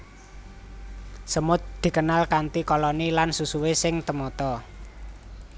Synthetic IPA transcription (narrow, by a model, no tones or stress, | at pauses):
səmʊt̪̚d̪̥i̤kənalkant̪ikɔlɔnilansusuwesɪŋt̪əmɔt̪ɔ